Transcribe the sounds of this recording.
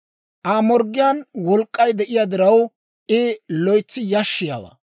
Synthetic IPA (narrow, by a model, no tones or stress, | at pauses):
ʔaːmɔɾɡːɪjanwɔlkʼːɐjd̪ɛʔɪjad̪ɪɾɐw | ʔɪlɔjt͡sːɪjɐʃːɪja̰ːwɐ̰ː